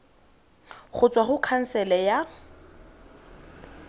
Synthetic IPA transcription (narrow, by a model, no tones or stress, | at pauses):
χʊt͡sʼwaχʊkʰan̩sɛlɛja